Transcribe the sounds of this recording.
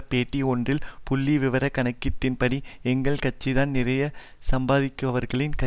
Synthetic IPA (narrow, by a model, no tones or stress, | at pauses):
peːʈːiɔndrɪlpʊlːiʋɪʋɐɾɐkːɐɳɐɪkːɪt̪ːɪnpɐɽiɛŋɡɐɭkɐt͡ʃːiðaːnnɪrɐjɐ | sɐmbaːðɪkːɐʋɐɾɣɐɭɪnkɐ